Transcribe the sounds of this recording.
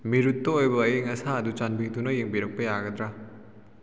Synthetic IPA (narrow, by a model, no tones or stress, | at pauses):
miɾutːɐojbɐːjeŋɐsaɐdut͡ʃanbidunɐjeŋbiɾɐk̚pɐjaɡɐd̪ɾa